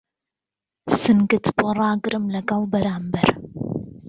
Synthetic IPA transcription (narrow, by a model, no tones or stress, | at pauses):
sɨnɡɨt̪ʰborˤɑːɡɨɾɨmlɐɡɐlˠbɐɾaːmbɐɾ